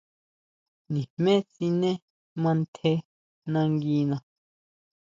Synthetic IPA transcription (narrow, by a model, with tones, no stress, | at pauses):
nĩ˨hmẽ˦t͡si˧nẽ˦ | mã˧nt̪ʰe˦ | nã˧ŋɡi˧nã˧